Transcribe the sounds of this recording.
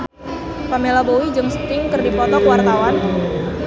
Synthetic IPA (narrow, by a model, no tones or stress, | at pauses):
pamelabowid͡ʒɨŋst̪ɪŋkərdipɔt̪ɔkəwart̪awan